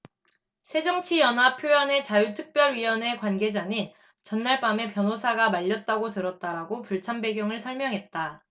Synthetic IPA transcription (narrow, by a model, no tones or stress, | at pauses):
sʰe̞d͡ʑʌŋt͡ɕʰijʌnɦapʰjojʌne̞t͡ɕajutʰɯk̚p͈jʌɭɥiwʌne̞kwanɡe̞d͡ʑaɲin | t͡ɕʌnːaɭp͈ame̞pjʌnosʰaɡamaʎːʌt̚t͈aɡotɯɾʌt̚t͈aɾaɡopuɭt͡ɕʰambe̞ɡjʌŋɯɭsʰʌɭmjʌŋɦe̞t̚t͈a